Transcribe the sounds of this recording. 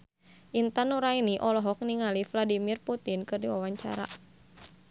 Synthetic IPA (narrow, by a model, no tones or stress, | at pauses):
ʔint̪anuɾainiʔɔlɔɦɔk̚niŋalifladimirput̪inkɨrdiwawaɲt͡ʃa̰ɾa̰